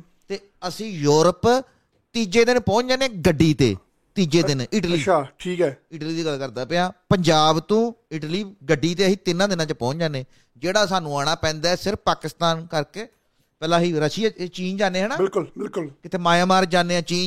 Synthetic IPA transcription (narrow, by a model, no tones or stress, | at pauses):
t̪eː | əsĩːjuːɾəp | t̪iːd͡ʒeːd̪ɪnpɔ̃ːt͡ʃd͡ʒaːneːɡəɖːiːt̪ḛː | t̪iːd͡ʒeːd̪ɪnɪʈliːaːʈʰiːkɛːɪʈliːd̪iːɡəlkəɾd̪aːpeaːpəɲd͡ʒaːbt̪õːɪʈliːɡəɖːiːt̪eːsiːt̪ɪnãːd̪ɪnãːt͡ʃəpɔ̃ːt͡ʃd͡ʒaːneː | d͡ʒeːɽaːsaːnũːaːɽ̃aːpɛ̃ːnd̪aːɛsɪɾfpaːkɪst̪aːnkəɾkeː | pɛːlãːɦiːɾəʃiːaːt͡ʃiːnd͡ʒaːneːɦɛːnãːbɪlkʊlbɪlkʊlkɪt̪ʰeːmaːjãːmaːɾd͡ʒaːneːãːt͡ʃiːn